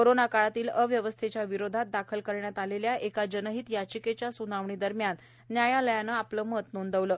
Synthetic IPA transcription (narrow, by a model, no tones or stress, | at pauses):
koɾonakaɭat̪iːləʋjəʋəst̪ʰet͡ɕjaʋiɾod̪ʱat̪̚d̪akʰəlkəɾɳjat̪aleljaʔekad͡ʑənəɦiːt̪jat͡ɕiket͡ɕjasunaʋɳid̪əɾmjanː | jajaləjanəapləːmət̪nond̪əʋləː